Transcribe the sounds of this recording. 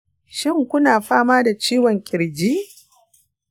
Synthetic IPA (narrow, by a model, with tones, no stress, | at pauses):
ʃɪ˦ŋkʷʊ˦naː˨ɸaː˦maː˦da˨t͡ʃiː˦wɔ˨ŋkʲʼɪ˨ɽd͡ʒiː˦